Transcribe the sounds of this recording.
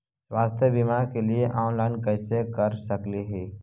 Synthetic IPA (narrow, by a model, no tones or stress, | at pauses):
swaːst̪ʰjəbimakelieʔaːnlaɪnkɛːsekəɾsəkliɦɛː